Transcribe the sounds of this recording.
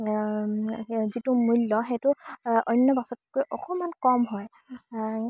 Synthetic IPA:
zitumulːɔxetʊɔjnːɔbasɔtkojʔɔxɔmankɔmɦɔj

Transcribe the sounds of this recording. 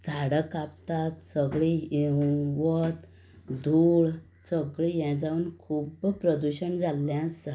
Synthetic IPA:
d͡zʱaɽəkapt̪at̪səɡɭi | ʋət̪ | d̪ʱuːɭ | səɡɭijɛ̃d͡zaunkʰuːbpɾəd̪uɕəɳd͡zaljãsə

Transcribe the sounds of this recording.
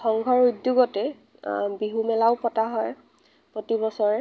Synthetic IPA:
xɔŋɡʱɔɹudjuɡɔtɛ | biɦumɛlaʊpɔtaɦɔj | pɹotibɔsɔɹɛ

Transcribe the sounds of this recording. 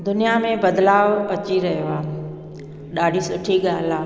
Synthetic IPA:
d̪ʊnijamẽbɐd̪laːʋɐt͡ɕiɾɐɦijoaːɦe | ɗaːɖʱisʊʈʰiɠaːla

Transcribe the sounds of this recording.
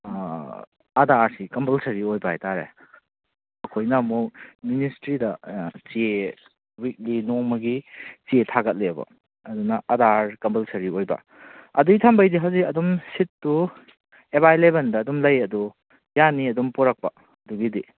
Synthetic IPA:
ɐdaɾsikɐmpɐlsɐɾiojbɐajtaɾḛ | ɐkʰojnɐmokministɾidɐt͡ʃie | wik̚linoŋmɐɡit͡ʃietʰaɡɐt̚lebɐ̰ | ɐdunɐʔɐdaɾkɐmpɐlsɐɾiojbɐ̰ | ɐduɡitʰambɐjdiɦawzikɐdumsitːu | ebajlebɐndɐːdumlɐjɐdu | janːiɐdumpɔɾɐk̚pɐ | ɐduɡidi

